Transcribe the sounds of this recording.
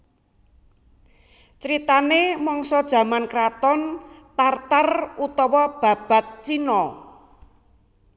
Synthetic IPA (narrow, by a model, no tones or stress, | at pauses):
t͡ʃɾit̪anemɔŋsɔd̥ʒ̥a̤mankɾat̪ɔnt̪art̪arut̪ɔwɔb̥a̤b̥a̤t̪̚t͡ʃinɔ